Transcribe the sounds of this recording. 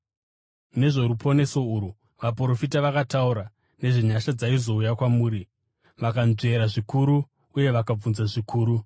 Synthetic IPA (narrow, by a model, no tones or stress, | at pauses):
ne̞ʐo̞ɾupʰo̞ne̞so̞uɾu | ʋapro̞fitaʋakatauɾa | ne̞ʐiɲaʃad͡zaizo̞ujakwamuːɾi | ʋakanze̞ɾaʐikuɾu | uje̞ʋakab͡vunzaʐikʰuːɾu